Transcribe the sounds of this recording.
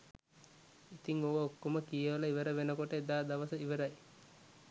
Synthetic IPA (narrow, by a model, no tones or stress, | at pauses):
it̪iŋoʋəokːoməkijəʋələiʋəɾəʋenəkoʈəed̪aːd̪aʋəsəiʋəɾɐj